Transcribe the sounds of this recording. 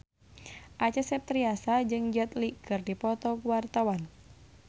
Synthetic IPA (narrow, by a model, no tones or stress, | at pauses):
ʔat͡ʃɛsɛp̚t̪ɾiasad͡ʒɨŋd͡ʒat̪likɨrdipɔt̪ɔkuwart̪awan